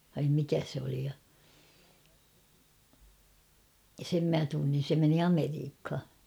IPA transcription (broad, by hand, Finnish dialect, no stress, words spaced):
ʋɑim mikæ se oli jɑ sem mæ tunːin̞ se meni ɑmeriːkhɑ